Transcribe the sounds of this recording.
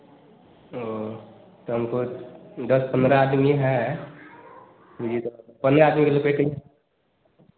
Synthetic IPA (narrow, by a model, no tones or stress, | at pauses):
o | t̪oɦəmkod̪əspənd̪ɾaad̪miɦɛ | id͡ʒit̪opənd̪ɾaaːd̪mikelopeʈəi